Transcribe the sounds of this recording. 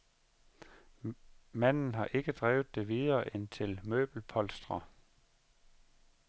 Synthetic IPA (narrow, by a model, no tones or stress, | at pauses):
mæn̰n̩ɦɑ̈ʔe̝ɡ̥əd̥ʁɛːʊð̩ˠd̥e̝ʋiðˠɐːʔent͡sʰe̝lmø̰ːb̥l̩pʰɒ̽lsd̥ʁɐ